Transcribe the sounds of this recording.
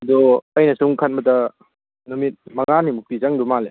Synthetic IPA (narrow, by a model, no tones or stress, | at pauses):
dɔːjnɐsuŋkʰan̚mɐtɐ | numit̚mɐŋanimup̚izaŋdumale